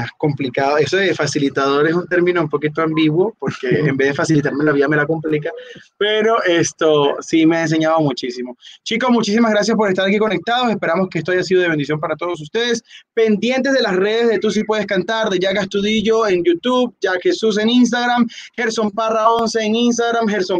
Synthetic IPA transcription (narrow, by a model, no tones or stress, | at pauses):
asko̞mplikaðoe̞soðefasilit̪aðo̞ɾe̞sunt̪e̞ɾminoumpo̞kit̪oambiɣwo̞po̞ɾkeːmbe̞zðefasilit̪aɾmelaβiame̞lakomplikape̞ɾoʔest̪osimeaens̬e̞ɲaðomut͡ʃisimo̞t͡ʃiko̞smut͡ʃisimazɣɾasjaspo̞ɾes̬t̪aɾakiko̞ne̞k̚t̪aðo̞se̞spe̞ɾamo̞skeest̪oaʝas̬iðo̞ð̞e̞βnd̪isjo̞mpaɾat̪oð̞o̞s̬ust̪e̞ðespe̞nd̪je̞nt̪̬ezðelasre̞ð̞e̞zðe̞t̪us̬ipwe̞ð̞e̞skant̪aɾd̪e̞ʝaɣast̪uðiʝo̞eŋɟ͡ʝut̪uβd͡ʒaxesus̬e̞nins̬t̪aɣɾamheɾso̞mparaonse̞ːŋins̬t̪aɣɾamxeɾsom